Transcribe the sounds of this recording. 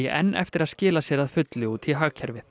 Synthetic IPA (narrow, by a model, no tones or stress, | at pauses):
ɛʔɛ̰nːʔɛ̰ft̪ɪɾaðscɪːlasjɛɾaðfʏt̪lɪuːt̪ʰɪɦaːɣcʰɛɾvɪ